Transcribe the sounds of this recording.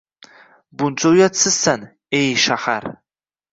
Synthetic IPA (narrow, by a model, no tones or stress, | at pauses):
bunt͡ʃʷʼowjat͡sʰɨsan | ejʃaχa̰r